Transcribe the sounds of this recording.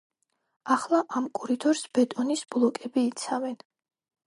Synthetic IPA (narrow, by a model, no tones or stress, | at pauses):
aχlˠaʔamkʼuɾit̪ʰɔɾsb̥ɛt̪ʼɔnisblˠɔkʼɛbiːt̪sʰavɛn